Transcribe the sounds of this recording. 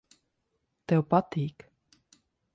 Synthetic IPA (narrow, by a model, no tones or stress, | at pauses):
t̪ɛopɑt̪iːk